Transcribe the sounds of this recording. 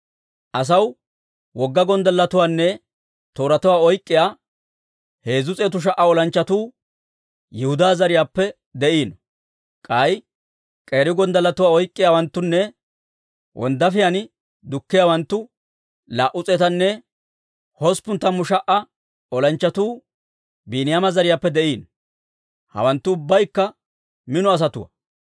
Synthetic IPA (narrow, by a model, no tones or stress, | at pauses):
ʔɐs̬ɐw | wɔɡːɐɡɔnd̪ɐlːɐt̪ʊwaːnːɛ | t̪oːɾɐt̪ʊwaːɔjkʼːɪjaː | he̞ːzʊt͡sʼeːt̪ʊʃ̬ɐʔːɐɔlɐnt͡ʃːɐt̪uː | jɛhʊd̪aːzɐɾɪjaːpːɛ | d̪ɛʔiːn | kʼɐj | kʼe̞ːɾɪɡɔnd̪ɐlːɐt̪ʊwaːɔjkʼːɪjaːwɐnt̪ːʊnːɛ | wʔɔ̰nd̪ɐfɪjanɪ | d̪ʊkːɪjaːwɐnt̪ːʊ | laːʔʊt͡sʼeːt̪ɐnːɛ | hɔspʊnt̪ːɐmːʊʃɐʔɐ | ɔlɐnt͡ʃːɐt̪uː | biːnɪjamɐzɐɾɪjaːpːɛd̪ɛʔiːn | hɐ̰wɐnt̪ːʊːʊbːɐjkːɐ | mɪnɔɐs̬ɐt̪ʊwɐ̰